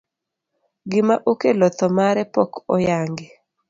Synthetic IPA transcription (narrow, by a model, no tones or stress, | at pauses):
ɡɪmaʔokelɔt̪ɔmaɾɛpɔkɔ̰jaŋɡe